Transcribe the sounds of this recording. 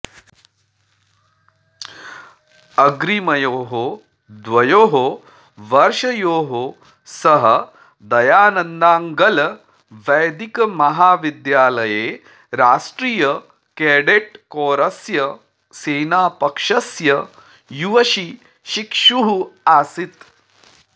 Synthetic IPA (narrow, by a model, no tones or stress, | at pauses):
ɐɡɾimɐjoːɦo | d̪ʋɐjoːɦo | ʋɐɾʃɐjoːɦo | sɐɦɐ | d̪ɐjaːnɐnd̪aːŋɡɐlɐ | ʋɐjd̪ikɐmɐɦaːʋid̪jaːlɐjeː | ɾaːʃʈɾiːjɐ | keːɖeʈ̚koːɾɐsjɐ | seːnaːpɐkʂɐsjɐ | juʋɐʃi | ʃikʂuɦuaːsit̪